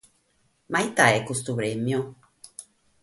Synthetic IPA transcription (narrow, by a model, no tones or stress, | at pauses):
majt̪aɛkust̪uβɾemjɔ̃